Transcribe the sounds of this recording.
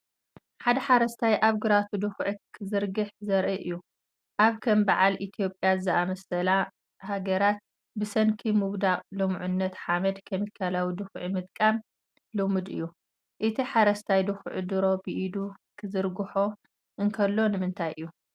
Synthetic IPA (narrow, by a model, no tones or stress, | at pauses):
ħad̪ɐħaɾɐst̪ʰajʔaβɡɨɾat̪ʰud̪ɨxʕikʰɨzɨɾɡɨħzɐɾʔiʔɨjːu | ʔaβkʰɐmbaʕalʔit̪ʰijo̞pʼːjazɨʔamɐsɐla | haɡɐɾat̪̚ | bɨsɐnkʰimɨβd̪aqʼlɐmʕʊnːɐt̪ħamɐd̪kʰɐmikʰalawid̪ɨxʕimɨt̪ʼkʼam | lumɨd̪ɨ̰jːu | ʔɨt̪ʰiħaɾɐst̪ʰajd̪ɨxʕɨd̪ɨɾo̞bɨʔid̪ukʰɨzɨɾɡɨħo̞ | ʔɨŋkʰɐlːo̞nɨmɨnt̪ʰajʔɨjːu